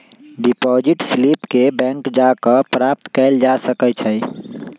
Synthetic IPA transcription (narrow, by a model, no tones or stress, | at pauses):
ɖipɔd͡ʒiʈslipkebɛ̃ŋkd͡ʒakəpɾap̚t̪kɛɪld͡ʒasəkət͡ʃʰəj